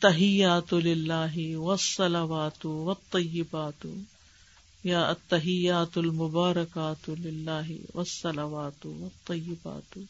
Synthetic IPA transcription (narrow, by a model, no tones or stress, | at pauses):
ɐt̪ːɐɦɪjːaːt̪lɪlːaːɦɪwɐsˤːɐlɐʋaːt̪ʊwɐt̪ˤːɑjːɪbaːt̪ʊ | jaːʔɐt̪ːɐɦɪjːaːt̪ɐlmʊbaːɾɐkaːt̪ʊlɪlːaːɦɪ̰wɐsːɐlɐʋaːt̪ʊwɐt̪ˤːɑjːɪba̰ːt̪